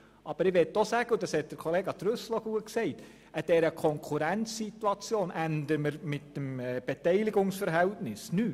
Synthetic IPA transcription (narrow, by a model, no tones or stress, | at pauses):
ʔɑb̥əɾɪʋɛtːɔsæːɡ̥əʊd̥ɑshɛt̚d̥əɾkʰɔleːɡɑt̪ɾʉsl̩oɡuətksɛɪt | ʔəd̥ɛɾəkʰɔŋkʰuɾænt͡ssituɑt͡sjoːnʔænd̪əməɾmɪtːəmɛːb̥ɛtɛɪlɪɡʊŋsfəɾɦɛltnɪsnyː